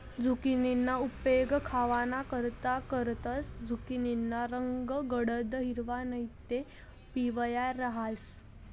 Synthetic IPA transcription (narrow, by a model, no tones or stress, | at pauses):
d͡zʱukininːaupeɡkʰaʋanakəɾt̪akəɾt̪asd͡zʱukininːaɾəŋɡəɡəɽəd̪ɦiɾʋanəjt̪e | piʋjaɾəɦas